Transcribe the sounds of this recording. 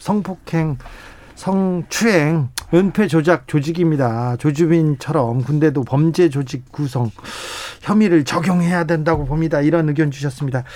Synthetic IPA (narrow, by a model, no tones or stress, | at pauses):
sʰʌŋpʰokʰe̞ŋ | sʰʌŋt͡ɕʰuɦeŋɯnpʰe̞d͡ʑod͡ʑak̚t͡ɕod͡ʑiɡimɲidat͡ɕod͡ʑubint͡ɕʰʌɾʌmkunde̞dopʌmd͡ʑe̞d͡ʑod͡ʑik̚k͈ːus̬ʰʌŋçjʌmiɾɯɭt͡ɕʌɡjoŋɦe̞jadwe̞ndaɡopomɲidaiɾʌnɯɡjʌnd͡ʑuɕ̬ʰʌs͈ɯmɲida